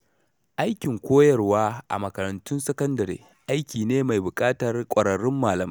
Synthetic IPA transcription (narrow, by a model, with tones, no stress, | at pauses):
ʔa˦jkʲɪ˨ŋkʷoː˦jɐ˨rwaː˦ʔa̰˨mɐ˨kɐ˨ɾɐ˨ntʊ˦nsɐ˦kɐ˦ndɐ˨ɾḛː˨ | ʔa˦jkʲiː˨neː˦ma˨jbʊ˨kʼaː˦tɐ˨rkʷʼɐ˨ɽɐ˨ɾɪ˦mːaː˨lɐ˨ma˦